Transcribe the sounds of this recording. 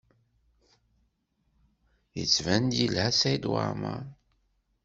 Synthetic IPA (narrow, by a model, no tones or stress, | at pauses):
jə̰t͡sːvænd̪jilhæsæjd̪wa̰ɾma̰